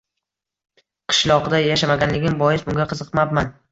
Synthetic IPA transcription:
qʰɨ̥ʃlˠɒqd̪ajaʃamaɡʲanlɪɡʲɪnbɒjɪsbʊŋɡʲaqʰɨzɨqmabman

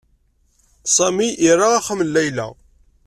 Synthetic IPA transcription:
sˤɑmiʔiɾaaχəmlːæjlæ̰

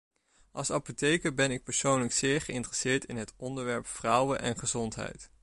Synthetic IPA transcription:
ʔɑlˠsɑpotejkəbɛnɪk̚pəɹsownləksɪːɹχəɪntrəsɪːɹtɪnɦətɔndəɹʋɛɹpfrʌwəʔɛnχəzɔntɦɛ̰jt

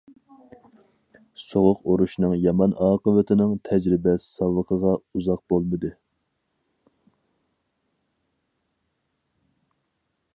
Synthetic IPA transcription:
soʁʊqoɾuʃnɨŋjɑmɑnʔɑːqəvɪt̪ʰɪnɨŋt̪ʰɛd͡ʒɾɪbɛssɑwəqʰəʁɑuzɑq̚bolˠmɨd̪ɨ

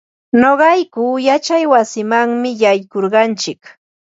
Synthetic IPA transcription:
noɢɑjkuːjat͡ʃajwasɪmaŋmɪjajkoɾɢɑnt͡ʃɪk

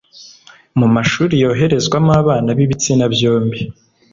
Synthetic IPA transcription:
mumaʃuːɾijo̞ːɦe̞ɾe̞zɡwamaːβaːnaβiβit͡sinabjo̞ːmbi

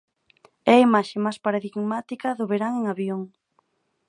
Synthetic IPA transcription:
ɛimaʃemajspaɾaðiɡmat̪ikɐðʊβeɾaŋeŋaβjoŋ

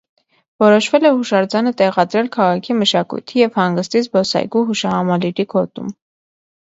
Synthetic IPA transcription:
vɔɾɔʃvɛlɛhuʃɑɾd͡zɑnət̪ɛʁɑd̪ɾɛlkʰɑʁɑkʰiməʃɑkṵjt̪ʰijɛvhɑŋɡəst̪it͡sʰbɔsɑ̰jɡuɦuʃɑhɑmɑliɾikʰɔt̪ṵm

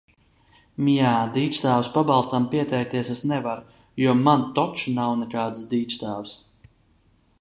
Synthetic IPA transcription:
mijaːd̪iːt͡ʃt͡ʃt̪aːwspabɑlˠst̪ampiɛt̪ɛjk̚t̪iɛsɛsnɛvaɾ | juɔmant̪ɔt͡ʃunawnɛkaːd̪sd̪iːt͡ʃt̪aːws

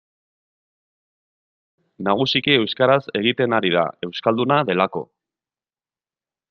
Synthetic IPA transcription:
naɣ̞usikie̞wskaɾase̞ɣ̞it̪e̞naɾiða̰e̞wskald̪unaðe̞lako̞̰

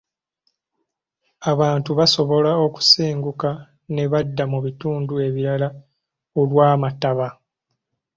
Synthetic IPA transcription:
aβaːntuβaso̞βo̞lao̞ku̥seːŋɡuka | ne̞βadːamuβituːndue̞βiɾala | olwaːmataβa

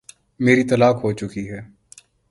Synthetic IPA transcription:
meːɾit̪ɐlaːkɦot͡ʃʊkiɦɛː

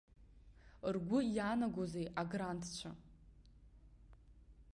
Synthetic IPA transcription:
rɡʷʊjaːnaɡʷozejʔaɡrantʰt͡ʃʷʰa̰

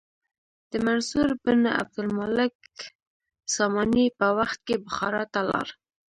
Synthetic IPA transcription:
d̪̥əmansuɾbəna̰b̚d̪ʊlmalɪk | sɑmɑnipəwaxt̪̚kebʊxɑɾɑt̪alɑ̰ɾ

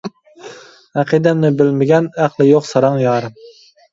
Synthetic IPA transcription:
æqʰid̪ɛmnɪbɪlmɪɡʲɛnæqlˠɪjoqsɑɾɑŋjɑːɾɨm

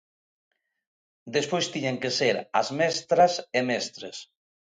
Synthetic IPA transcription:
d̪espojst̪iɲeŋkeseɾɐ̰zmɛst̪ɾasemɛst̪ɾes

